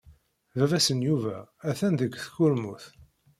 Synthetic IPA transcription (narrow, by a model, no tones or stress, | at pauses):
vævæsənjuvææθænðəɡʷːθkʊɾmuθ